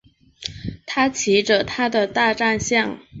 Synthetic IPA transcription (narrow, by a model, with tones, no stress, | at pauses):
t̪ʰa˥t͡ɕʰi˧˥ʈ͡ʂə˧t̪ʰa˥d̪ə˨t̪a˥˧ʈ͡ʂa˥˧nɕjɑ˥˩ŋ